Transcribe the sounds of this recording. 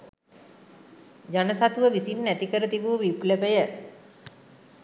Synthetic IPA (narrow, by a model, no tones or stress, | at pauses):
d͡ʒanəsat̪uʋəʋisinːæt̪ikəɾət̪iʋuʋiplepəjə